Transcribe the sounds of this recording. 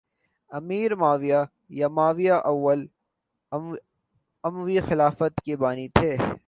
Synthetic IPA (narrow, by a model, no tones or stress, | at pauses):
ɐmiːɾmaːʋija | jamaːʋijaʔɐwʋːəl | ɐmwixɪlaːfət̪kebaːnit̪ʰeː